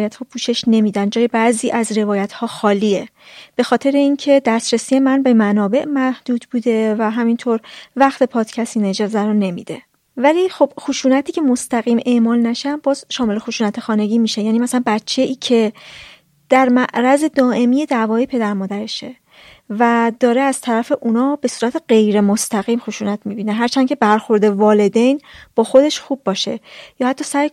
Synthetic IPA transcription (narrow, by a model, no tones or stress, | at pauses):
jæt̪hɒːpʰuːʃe̞ʃne̞miːd̪ænd͡ʒɒːje̞bæʔziːʔæzɾe̞vɒːjæt̪ʰhɒːxɒːliːe | b̥e̞xɒːt̪ʰe̞ɾe̞incʰe̞d̪æst̪ɾesije̞mænbe̞mænɒːbe̞ʔmæhd̪̥uːd̪̥buːd̪e̞væɦæmint̪ʰoːɾvæxt̪ʰe̞pʰɒːd̪̥cʰæst̪ined͡ʒɒzæɾɔne̞mḭd̪̥e̞̰ | væliːxo̞b̥xoʃuːnæt̪ʰiːcʰe̞most̪æɣiːme̞ʔmɒːlnæʃænbɒːz̥ʃɒːme̞le̞xoʃuːnæt̪ʰexɒːne̞ɟiːmiːʃe̞jæːniːmæsænbætt͡ʃʰːe̞ʔiːcʰe̞ | d̪̥æɾmæʔɾæze̞d̪ɒːʔe̞mije̞d̪ævɒːepʰe̞d̪æɾmɒːd̪æɾe̞ʃe | væd̪ɒːɾe̞æz̥t̪ʰæɾæfe̞ʔunɒːbe̞suːɾæt̪ʰe̞ɢe̞jɾe̞most̪æɣiːmxoʃuːnæt̪ʰmibiːneɦæɾt͡ʃʰæncʰe̞bæɾxo̞ɾd̪e̞vɒːle̞d̪e̞jnb̥ɒːxo̞d̪e̞ʃxubːɒːʃe̞̰jɒːhæt̪ːɒːsæj